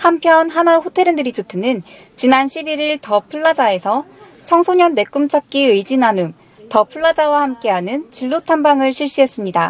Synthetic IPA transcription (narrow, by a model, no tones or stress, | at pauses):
hampʰjʌnɦanaɸotʰe̞ɾɯndɯɾit͡ɕotʰɯnɯn | t͡ɕinanɕʰibiɾiɭtʌpʰuɭːad͡ʑae̞sʰʌ | t͡ɕʰʌŋsʰoɲʌnːe̞k͈umt͡ɕʰak̚k͈iɯjd͡ʑinanɯm | tʌpʰuɭːad͡ʑawahamk͈e̞ɦanɯnt͡ɕiɭːotʰambaŋɯɭɕʰiɭɕ͈iɦe̞s͈ɯmɲida